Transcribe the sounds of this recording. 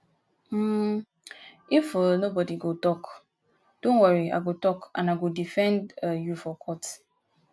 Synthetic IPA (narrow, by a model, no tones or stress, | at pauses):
m̩ | ifənobɔdiɡotɔk | d̥õnwaɹia̰ɡotɔkã̰naɡodifɛ̃ndəjufɔkʰɔt